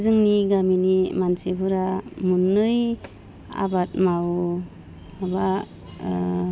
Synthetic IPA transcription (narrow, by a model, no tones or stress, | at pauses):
zɯŋniɡaminimansebɯɾamunːɯj | a̰bat̚maw | aba